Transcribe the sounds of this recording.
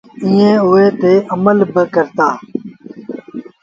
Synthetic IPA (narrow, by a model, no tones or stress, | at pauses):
ĩːẽːʊeːt̪eːʔəməlbəkəɾt̪aː